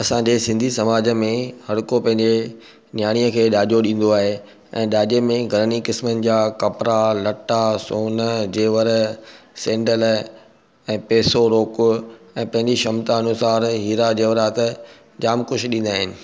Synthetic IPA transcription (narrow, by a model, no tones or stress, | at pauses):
ɐsãɲd͡ʑeːsɪ̃nd̪ʱisɐmaːd͡ʑəmẽhɐɽʊkopɐ̃ɦɪ̃ɲd͡ʑe | njaːɽ̃ijəkʰeːɗaːʄoɗĩːn̆d̪oaːɦe | ɛ̃ːɗaːʄemẽɡʱɐɾənikɪsmənɪ̆d͡ʑaːkɐpɾalɐʈːasoːnəd͡ʑeːʋəɾ | sɛ̃ːɳɖəl | ɛ̃ːpeːsoɾoːkʊ | ɛ̃ːpɐ̃ɦɪ̃ɲd͡ʑiʃɐmt̪aɐnʊsaːɾɦiːɾad͡ʑeːʋɾaːt̪ə | d͡ʑaːmkʊʃɗĩːn̆d̪aːɦɪnɪ̆